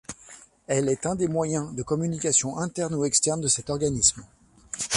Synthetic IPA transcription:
ɛlɛt̪ɛ̃d̪emwajɛ̃d̪əkɔmynikʲasjɔ̃ʔɛ̃t̪ɛʁnuɛkst̪ɛʁnd̪əsɛt̪ɔʁɡanism

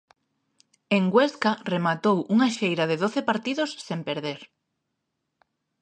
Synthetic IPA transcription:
eŋɡweskaremat̪owʔuŋaʃejɾaðeðoθepaɾt̪iðosːempeɾðeɾ

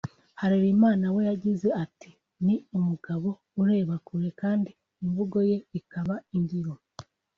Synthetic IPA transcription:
haɾeɾimaːnawe̞jaɟize̞ati | niumuɡaβo̞ | uɾe̞ːβakuɾe̞kaːndiː | ɱvuɡo̞je̞ikaβaindiɾo

